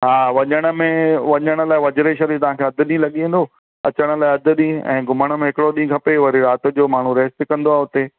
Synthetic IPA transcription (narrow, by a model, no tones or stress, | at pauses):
ɦaːʋɐɲəɽ̃ə̆mẽʋɐɲəɽ̃ə̆laːɪʋɐd͡ʑɾeʃɐɾit̪ɐʋ̤ãːkʰeːɐd̪ʱʊɗĩlɐɠiẽːnd̪o | ɐt͡ɕəɽ̃ə̆laːɪɐd̪ʱʊɗĩɛ̰̃ːɡʱʊməɽ̃ə̆mẽɦɪkɪɽoɗĩːkʰɐpeʋɐɾiɾaːt̪ʊ̆d͡ʑoːmaːɳ̤ũɾeːst̪ɪkɐ̃nd̪oaːɦʊt̪e